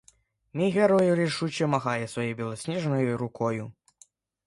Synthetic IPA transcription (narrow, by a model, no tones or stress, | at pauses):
nʲiɣʲɛɾɔjuɾʲiʂut͡ɕɛmaɣajɛsʋɐjɛjbʲilˠɔsʲnʲɛʐnɔjuɾukʰɔju